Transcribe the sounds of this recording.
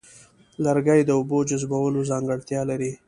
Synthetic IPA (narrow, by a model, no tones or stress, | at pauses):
laɾɡajd̪əʊbod͡ʒʊzbawəlozɑŋɡəɽt̪jɑlaɾi